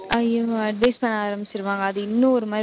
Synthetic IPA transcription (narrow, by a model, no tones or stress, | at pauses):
ɐjoɐɖʋɐɪspɐɳːaːɾɐmbɪt͡ɕːɪɾɯʋaːŋɡɐːðɯɪnːũɔɾɯmaː